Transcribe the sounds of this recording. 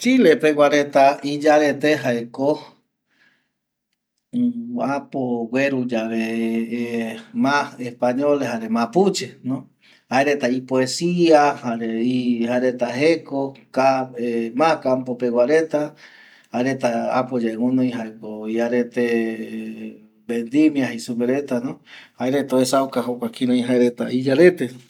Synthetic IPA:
t͡ʃilepeɡʷaɾet̪aid͡ʒaɾet̪eɦaeko | apowʷeɾud͡ʒaβe | maespaɲoleɦaɾemãput͡ʃenõ | haeɾet̪aipoesiahaɾeihaeɾet̪aɦekokaemãkampopewaɾet̪a | haeɾet̪aa̰pod͡ʒeŋõnõj̃ɦaekoiaɾet̪e | bend̪imjaɦisupeɾet̪anõhaeɾet̪oesawkaɦokʷakiɾõj̃ɦaeɾet̪a̰id͡ʒaɾe̞t̪e

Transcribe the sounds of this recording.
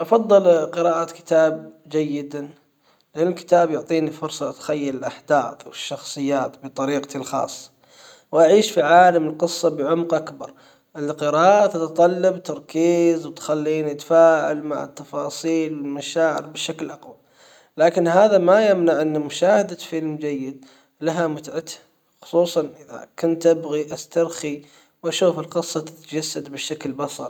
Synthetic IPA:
ʔɑfɑðˤːɨlqɨɾaːʔat̪kɪ̥t̪aːb̚ | d͡ʒajːɪd̪a | lʔanɪlkɪ̥t̪aːbjʊʕt̪ˤiːnifʊɾsˤɑt̪xajːalɪlʔaħd̪aːθwɪʃːɑxsˤɨjːaːt̪bɪt̪ˤɑɾiːqt̪ilxɑ̰ːsˤːɑ̥ | wʔaʕiːʃfiʕaːlamɪlqɨsˤːɑbɪʕʊmqʔakbɑɾˤ | ʔɪlqɨɾaːʔt̪at̪ɑt̪ˤɑlːɑbt̪ɑɾˤkiːzwɪt̪xalːiːnit̪afaːʕa̰lma̰ʕɪ̰t̪ːɑfɑːsˤiːlwɪlmaʃaːʕɪ̰ɾbɪʃaklʔɑqwa | laːkɪnhaːðamajamnaʕʔɪnːamʊʃaːhad̪afɪlmd͡ʒajːɪd̪̚ | laɦamʊt̪ʕat̪ha | xʊ̥sˤuːsˤɑnʔɪða̰kʊnt̪ʔabɣiʔast̪ɑɾˤxi | wʔaʃuːfɪlqɨsˤːɑt̪ɪ̥t̪d͡ʒasːad̪bɪʃaklbɑsˤɑɾ

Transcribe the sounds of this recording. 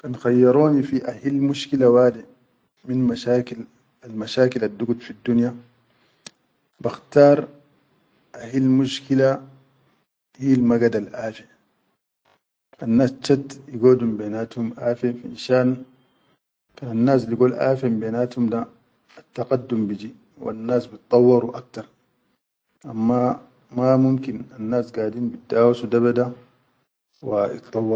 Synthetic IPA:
kanxajːɑɾˤoːnifiʔahilmuʃkilawaːd̪i | minmaʃaːkil | almaʃaːkilad̪ːuɡud̪fid̪ːunja | baxt̪aːɾˤ | ʔahilmuʃkila | hiːlmaɡad̪alʔaːfi | anːaːst͡ʃːat̪jiɡoːdumbeːnaːt̪humʔaːfefiḭnʃaːʔn | kananːaːs̬liɡoːlʔa̰ːfembeːnaːt̪humdaː | t̪ːaqad̪ːumbid͡ʒi | wa̰nːaːsbit̪̚ˤt̪ˤːɑwːɑɾuʔak̚t̪ɑɾˤ | ʔamːa | mamumkinanːaːsɡaːdiːnbid̪ːaːwasud̪aβada | wajḭt̪t̪ˤːɑwːɑɾ

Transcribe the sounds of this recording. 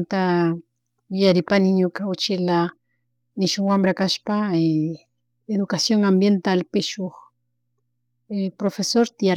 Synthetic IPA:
nt̪a | jaɾɪpanɪɲokaot͡ʃela | nɪʃʊŋwambɾakaʃpae | eðukasjoŋambjent̪alpeʃoχ | epɾofesoɾt̪ia

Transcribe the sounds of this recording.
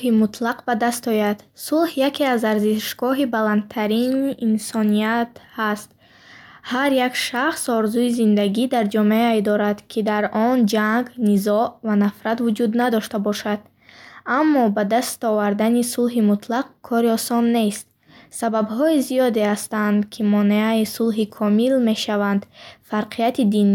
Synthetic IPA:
himut̪laqbad̪ast̪ɔjad̪sulhjakʰeazaɾziʃɡ̥ɔɦibaland̪̚t̪ʰaɾiniʔːnsɔnijat̪hast̪̚ | haɾjakʃaχsɔɾzuizind̪aɡid̪aɾd͡ʒɔmeajd̪ɔɾad̪kʰid̪aɾʔɔnd͡ʒaŋɡnizɔʔvanafɾat̪vud͡ʒud̪nad̪ɔʃt̪abɔʃad̪̥ | amːɔbad̪ast̪ɔvaɾd̪anisulɦimut̪laq̚kʰːɔɾiɔsɔnːe̞st̪̚ | sababɦɔiziɔd̪e̞hast̪and̪kʰimɔneaisulɦikʰɔmilme̞ʃavand̪faɾqʰiat̪ʰid̪in

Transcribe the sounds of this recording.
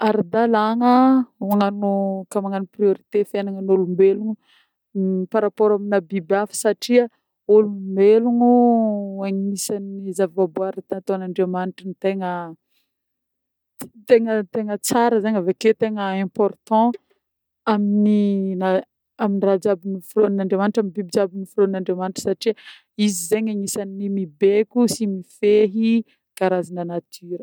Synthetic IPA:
aɾid̪alaŋəaŋannokamaŋanuprioɾit̪efenaŋənolumbeluŋu | paɾapoɾaminabibafə̥saʈ͡ʂia | olumbeluŋuaŋiisanizavivabuaɾat̪anat̪oanaɳɖ͡ʐeamaniʈ͡ʂinit̪eŋə | t̪eŋət̪eŋət͡saɾəzaɲaveket̪eŋəɛ̃pɔrt̪ɑ̃ | aminina | aminirad͡ʒabinifiɾonãɳɖ͡ʐemaniʈ͡ʂaminbibid͡ʒabinifɾonnãɳɖ͡ʐemaniʈ͡ʂə̥saʈ͡ʂi | izizeɲaŋisaninimibekʲusimifeɦi | ɡ̥aɾazinanat̪ʰyɾə

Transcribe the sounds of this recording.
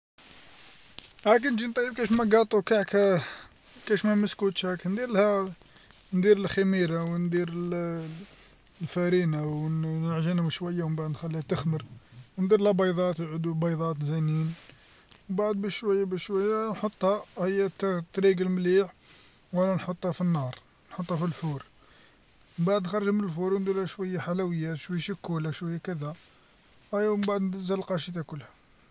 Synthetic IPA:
hæk̬nʒint̪ˤɑjəb̚kæʃmæɡɑt̪ˤːukaʕkæ | kæʃmæməskut̪ʃhæknd̪iɾlhæ | nd̪iɾəlxamiɾawnd̪iɾə | lfæɾinawnəʕʒinæmʃwæjːawmbaʕd̪nxælːihæt̪əxməɾwnd̪iɾlhæbɑjd̪ˤɑt̪ʕəd̪ubɑjd̪ˤɑt̪zænin | mbaʕd̪̚bæʃʃwæjːæbæʃʃwæjːænħot̪ˤːhæhəjːæt̪t̪ːɾiɡəlmliħ | wænænħot̪ˤːhæfinːɑɾˤ | nħot̪ˤːhæfilfuɾ | məmbaʕd̪nxɑɾˤːʒæmənəlfuɾwnd̪iɾhæʃwæjːaħalæwəjːæʃwæjːæʃikːulæʃwæjːækəd̪æ | ʔæjwmbaʕd̪nd̪əzːəllqɑʃit̪ækʊlːhæ

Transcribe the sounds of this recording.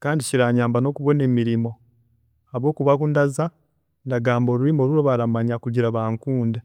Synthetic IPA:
kaːndiciɾaːɲaːmbano̞ːkuβo̞ne̞ːmiɾimo̞ | aβo̞ːkuβakundaza | ndaɡaːmbo̞ːɾuɾimo̞ːɾuɾo̞βalamaɲakuɟiɾaβaːŋkuːnde

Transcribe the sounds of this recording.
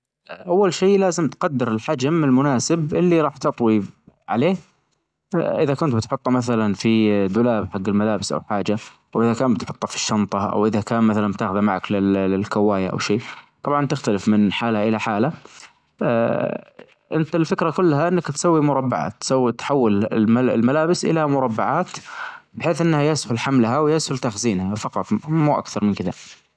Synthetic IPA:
ʔawːalʃiːlaːzɪmt̪qɑd̪ːɪɾɪlħad͡ʒamɪlmʊnaːsɪbʔɪlːiɾˤɑːħt̪ɑt̪ˤwiʕa̰leːh | ʔɪðakʊnt̪bɪt̪ħʊt̪ˤːɑmaθalanfid̪ʊlaːbħaɡːɪlmalaːbɪsʔa̰wħaːd͡ʒaʔawʔɪðakaːmbɪt̪ħʊt̪ˤːɑfi̥ʃːɑnt̪ˤɑʔa̰wʔɪðakaːnmaθalanb̚t̪aːxʊðamaʕaklɪlɪlkawːaːjaʔa̰wʃiːt̪ˤɑbʕɑnt̪ɪxt̪alɪfmɪnħaːlhaʔɪlaħaːla | ʔɪnt̪alfɪkɾakʊlːhaʔɪnːakt̪sawːimʊɾˤɑbːa̰ʕa̰ːt̪ːsawːt̪ħawːɪlalmalaːbɪsʔɪ̰lamʊɾˤɑbːaʕaːt̪bħeːθʔɪnːhajashʊlħamlɦawjashʊlt̪axziːnhafɑqɑt̪ˤmuːʔa̰kθɑɾˤmɪnkɪða

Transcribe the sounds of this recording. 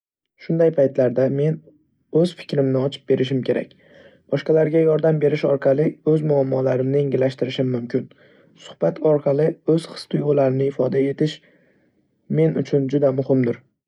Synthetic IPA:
ʃʊnd̪ajpʰajt̪laɾd̪ame̞n | ɵz̥fɪ̥kʲɾɪmnɪɒt͡ʃʰɪ̥p̚be̞ɾʔɪʃ̬ɪmkʲʰe̞ɾa̰kʲ | b̥ɒʃqɑlaɾɡʲajɒɾd̪ambe̞ɾɪʃɒɾqʰɑlˠɪɵzmʊamːɒlaɾɪmnɪeŋɡʲɪlːaʃt̪ɪɾɪʃɪmːʊmkʲɪn | sʊ̥hb̥at̪ʰɒɾqʰɑlˠɪɵz̥χɨ̥st̪ʰɪjollːaɾɪnɪɪfɒd̪ae̞t̪ʰɪʃ | me̞nʊt͡ʃʰʊnd͡ʒʊd̪amʊhɪmd̪ɪɾ

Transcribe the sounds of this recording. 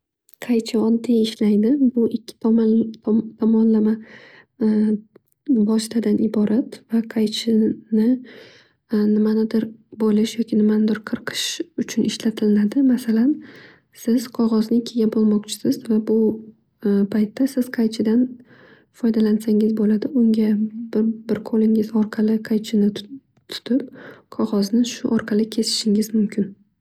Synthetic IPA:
qʰɑjt͡ʃʰaɒd̪ːeɪʃlajd̪ɪbʊɪkʲʰːɪ̥ | t̪ʰɒmɒnlama | bɒʃɪt̪ʰad̪anɪbɒɾʔat̪vaqʰɑjt͡ʃʰɪnɪ | nɪmanɪd̪ɪɾbolɪʃjɒkʲʰɪnɪmanɪd̪ɪɾqʰɨɾqʰɨ̥ʃʊt͡ʃʰʊnɪʃlat̪ʰɪlɪnad̪ɪmasalan | sɪz̥qʰɒʁɒznɪkʲʰeɡʲabolˠmɒqt͡ʃʰɪ̥sɪzvabʊ | pʰajt̪ːasɪz̥qʰɑjt͡ʃʰɪd̪an | fɒjd̪alansaŋɪzbolad̪ɪʊŋɡʲabɪɾbɪɾqʰolɪŋɪzɒɾqʰɑlɪqʰɑjt͡ʃʰɪnɪ | t̪ʰʊ̥t̪ʰɪp̚qʰɒʁɒznɪʃʊʔɒɾqʰɑlɪkʲʰe̞sɪ̥ʃɪŋɪzmʊmkʲɪn

